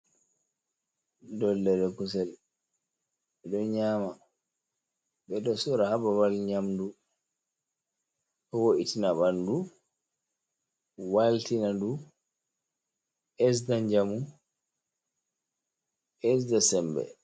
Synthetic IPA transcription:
dɔlːɛɾɛkus̬ɛl | ɓɛdɔɲaːma | ɓɛdɔsuɾahabawalɲamdu | kɔwoʔitinaɓandu | waltinadu | ʔɛs̬daɲd͡ʒamu | ʔɛsdasɛmbɛ̰

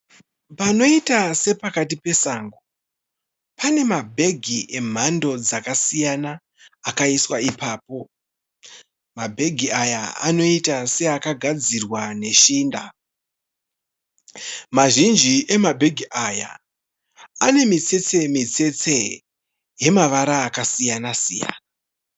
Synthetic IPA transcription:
pano̞itase̞pakatipe̞saŋɡo | pane̞mabʱe̞ɡʱiʔe̞m̤ando̞d͡zakasijanaː | kaiswaipaːpo̞ | mabʱe̞ɡʱiajaa̰no̞itase̞akaɡʱad͡zirwane̞ʃiːnda | maʒind͡ʒiʔe̞mabʱe̞ɡʱiʔaja̰ | ane̞mit͡se̞t͡se̞mit͡se̞t͡se̞ | je̞maʋaɾaːkasijanasija̰ːna

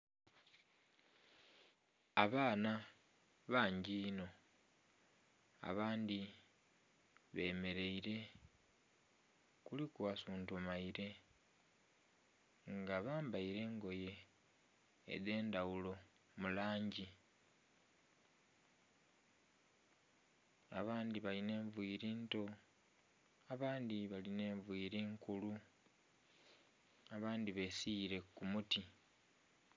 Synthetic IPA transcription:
aβaːna | βaːɲɟiːno̞ | a̰βaːndi | βe̞ːme̞ɾe̞iɾe̞ | kulikwasuːntumaiɾe̞ | ŋɡaβaːmbaiɾe̞ːŋɡo̞je̞ | ðe̞ːndawulo̞ | mulaːɲɟi | a̰βaːndiβaline̞ːɱvwiːɾiːnto̞ | aβaːndiβaline̞ːɱvwiːɾiːŋkulu | aβaːndiβe̞siːɾe̞kːumuti

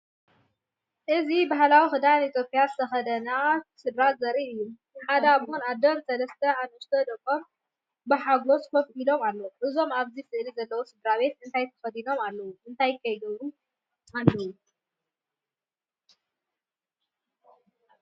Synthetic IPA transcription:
ʔɨzibaɦlawixɨd̪ajnit̪ʰjopʼijazɨt̪ʰɐxɐd̪ɐnasɨd̪ɾazɐɾiʔɨjːumnɨħad̪ɐaβhunad̪ɐmsɐlɐst̪ʰɐamɨst̪ʰɐd̪ɐkʼom | bɨħaɡo̞skʰɐfkilo̞malːɐwuʔɨzo̞maβzifɨʔlizɐlːɐwo̞sɨd̪ɾaβe̞t̪ɨnt̪ʰajt̪ʰɐ̥xɐd̪ino̞malːɐwuʔɨnt̪ʰajkʰɐjɡɐβɾu | anːɐwu

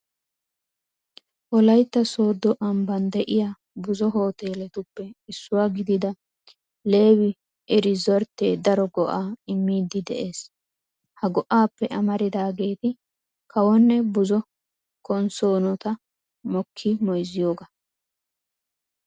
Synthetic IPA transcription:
ʔɔlɐjt̪ːɐsoːd̪ːɔʔɐmbɐnd̪ɛʔɪja | bʊzɔɦo̞ːt̪e̞ːlɛt̪ʊpːɛɪsːʊwaɡɪd̪ɪd̪ɐ | le̞ːwɪ | ʔɛɾɪzɔɾt̪ːeːd̪ɐɾɔɡɔʔaːɪmːiːd̪ɪd̪ɛ̰ʔeːs | hɐɡɔʔaːpːɛʔɐmɐɾɪd̪aːɡe̞ːt̪ɪ | kʰɐwɔnːɛbʊzɔ | kɔnso̞ːnɔt̪ɐ | mɔkʰːɪmɔjzɪjo̞ːɡɐ

